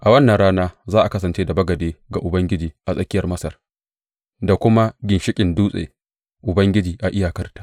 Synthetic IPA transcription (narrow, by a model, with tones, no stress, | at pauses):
ʔa˨wɐ˦nːɐ˨nɽaː˦naː˦zaː˦ʔa˨kɐ˦sɐ˨nt͡ʃeː˦da˨bɐ˦ɡɐ˨deː˦ɡa˨ʔʊ˨bɐ˦ŋɡʲɪ˦d͡ʒiː˨ʔa˨sʼɐ˦kʲɪ˦jɐ˨rmɐ˦sɐ˨r | da˨kʷʊ˦ma˦ɡʲɪ˨nʃɪ˦kʲʼɪ˨nduː˦sʼḛ˨ | ʔʊ˨bɐ˦ŋɡʲɪ˦d͡ʒiː˨ʔa˨ʔɪ˦jaː˨kɐ˦rtḁː˨